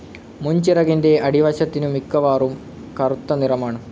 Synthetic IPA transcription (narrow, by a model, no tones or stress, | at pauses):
muɲt͡ɕirɐɣinde̞ɐɽiʋɐɕɐt̪ːinumikːɐʋaːrum | kɐrut̪ːɐnirɐmaːɳɨ